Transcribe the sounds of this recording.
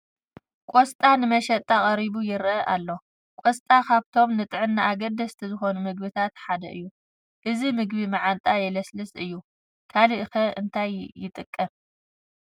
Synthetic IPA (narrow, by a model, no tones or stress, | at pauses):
kʼost̪ʼanɨmɐʃɐt̪ʼːakʼɐɾiβujɪɾʔalːo̞ | kʷʼost̪ʼakʰaβt̪ʰo̞mnɨt̪ʼɨʕɨnːaʔaɡɐd̪ɐst̪ʰizɨxo̞numɨɡ̚bɨt̪ʰat̪ħad̪ɐ̰ʔɨjːu | ʔɨzimɨɡ̚βimaʕant̪ʼajɛlɐslɨsɨjːu | kʰaliʔɨxɐʔɨnt̪ʰajːɪt̪ʼɨkʼːɐm